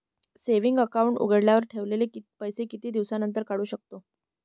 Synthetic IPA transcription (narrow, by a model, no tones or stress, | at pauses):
seʋiŋɡəkauɳʈṵɡəɽljaʋəɾʈʰeʋlelepəjsekit̪iːd̪iʋsanənt̪əɾkaɽuːɕək̚t̪o